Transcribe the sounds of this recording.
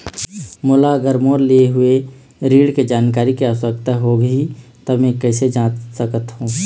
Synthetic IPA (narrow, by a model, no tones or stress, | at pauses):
mʊlaɡəɾmoːɾlieɦʊe | ɾiːɽked͡ʒaːnkaːɾikeaːswəkt̪aɦoːɡɦit̪ɐmɛ̃kɛːsed͡ʒãːsəkət̪ɦũː